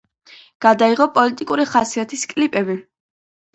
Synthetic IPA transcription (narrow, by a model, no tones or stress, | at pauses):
ɡ̥ad̪aiʁɔpʼɔlit̪ʼikʼuɾiχasiat̪ʰiskʼlipʼɛbi